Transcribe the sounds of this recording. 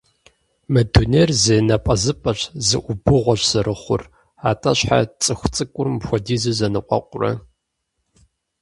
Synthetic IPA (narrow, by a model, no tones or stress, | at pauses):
mɐduneːrzɐnɐpʼɐzɨpʼɐɕzɨ̰ʔʷʊbɨʁʷɔɕsɨɾʔɨχʷʊ̰r | aːtʰʼɐɕħa̰t͡sʼɨxʷt͡sʼɨkʷʼʊrmxʷɔdiːzɨzɐnɨqʷʼɔ̰qʷʼʊrɐ̰